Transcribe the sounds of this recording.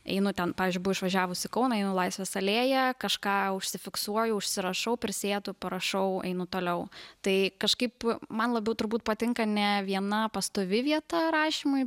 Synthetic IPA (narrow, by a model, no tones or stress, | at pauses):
ɛ̰ɪnʊt̪ʲɛnpɑːʋʲɪzd͡ʒʲʊɪbʊʋɐɪʃʋɐʒʲæːʋʊsʲɪkɐʊnɐɛɪnʊlˠɐɪsʲʋʲɛsɐlʲeːjɛkɐʃkɑːʊʃʲsʲɪfʲɪksuɔjʊʊʃʲsʲɪɾɐʃɐʊpʲɾʲɪsʲeːd̪ʊpɐɾɐʃɐʊɛ̰ɪnʊt̪oːlʲɛʊt̪ɐɪkɐʃkɐɪpmɐnlˠɐbʲɛʊt̪ʊɾbuːt̪̚pɐt̪ʲɪŋkɐnʲɛʋʲiɛnɐpɐst̪oʋʲɪʋʲiɛt̪ɐɾɑːʃʲiːmʊɪ